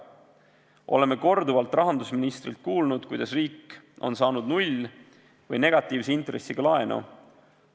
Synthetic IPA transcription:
ʔo̞̰le̞mːe̞ko̞rd̪uvɑlt̪ːˑrɑɦɑnd̪usminist̪rilt̪̚kuːlnud̪̥kujd̪̥ɑsriːkː | o̞̰nsɑːnud̪nulʲ | vɤjne̞ɡ̥ɑt̪ːˑiːvseint̪resːiɡ̥ɑlɑenṵ

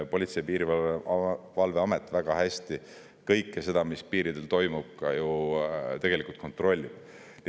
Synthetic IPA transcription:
po̞lʲit̪sejpiːɾivɑ | vɑlve̞ɑmet̪ːˑvæɡ̥ɑɦæsʲt̪i | kɤjkːˑese̞d̪ɑmispiːɾid̪̥e̞lt̪o̞jmub̥̚kɑjut̪e̞ɡ̥elikˑult̪̚ko̞nt̪ˑro̞lʲːib̥

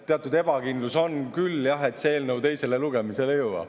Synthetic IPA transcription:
t̪eɑt̪ːˑud̪e̞b̥ɑkind̪luso̞nkyljɑɦe̞t̪seeːlnəwt̪e̞jse̞le̞luɡ̥e̞mise̞lejɤwɑ̰

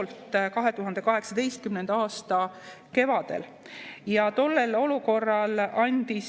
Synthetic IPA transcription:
lt̪ˑkɑɦe̞t̪uɦɑnd̪̥e̞kɑɦe̞ksɑd̪e̞jst̪̚kymne̞nd̪ɑɑːst̪ɑ | ke̞vɑd̪̥e̞̰l | jɑt̪o̞lːe̞lo̞luko̞rːɑlɑnʲd̪̥i

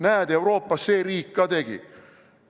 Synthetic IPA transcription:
næːd̪̥e̞wɾo̞ːpːˑɑsːe̞ːɾiːkːɑːt̪e̞ɡ̥ḭ

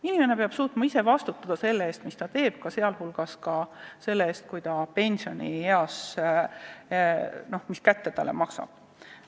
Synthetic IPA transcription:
inʲimene̞peɑb̥suːt̪mɑise̞vɑst̪ut̪ːˑɑd̪̥ɑse̞lːee̞ːst̪mist̪ɑt̪e̞ːb̥̚kɑse̞ɑlɦulɡ̥ɑskɑse̞lːee̞ːst̪̚kujt̪ɑpe̞nʲsio̞nʲḭeɑs | no̞hmiskæt̪ːe̞t̪ɑlḛmɑksɑ̰b̥

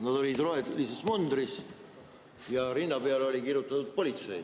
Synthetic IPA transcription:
nɑd̪o̞lid̪roelisesmund̪ɾis | jɑɾinːɑpe̞ɑleo̞lʲikirjut̪ˑːɑt̪ud̪̥̚po̞lʲit̪se̞̰j

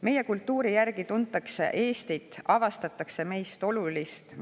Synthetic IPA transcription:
me̞je̞kult̪ˑːuːɾijærɡ̥it̪unt̪ːˑɑkse̞̰ʔe̞ːst̪it̪ːˑɑvɑst̪ɑt̪ːˑɑkse̞me̞jst̪o̞lulist̪

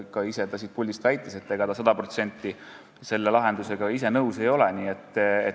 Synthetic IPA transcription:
kɑise̞t̪ɑsit̪̚pulʲd̪ist̪væjt̪ːˑese̞t̪ːe̞ɡɑd̪ɑsɑd̪̥ɑpro̞t̪se̞nʲt̪ːˑi | se̞lːe̞lɑɦe̞nd̪use̞ɡ̥ɑis̬e̞nɤwse̞jo̞leniːe̞t̪ːˑe

